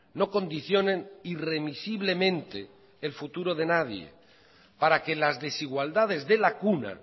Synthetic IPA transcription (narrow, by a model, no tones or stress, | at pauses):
no̞ko̞nd̪iθjo̞nẽnire̞misiβ̞le̞mẽ̞nt̪eː | lfut̪uɾo̞ð̞e̞naðjḛ | paɾake̞lazðe̞siɣwald̪að̞e̞zðelakuna̰